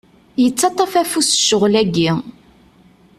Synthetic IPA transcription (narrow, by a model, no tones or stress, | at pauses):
jət͡sːɑt̪ˤːɑfæfusʃəʁlæɡi